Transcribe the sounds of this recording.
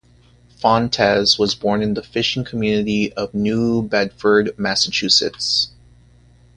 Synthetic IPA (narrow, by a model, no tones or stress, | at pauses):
fɑ̃ntʰɛzwʌzbɔɹnɨ̃nðəfɪʃɪ̃ŋkʰəmjʉnɨɾiʌvnʉbɛd̥fə˞d̚mæsət͡ʃʰʉsɨ̰ts